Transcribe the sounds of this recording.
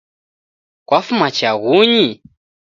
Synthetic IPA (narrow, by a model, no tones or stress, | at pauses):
kwafumat͡ʃaɣuɲi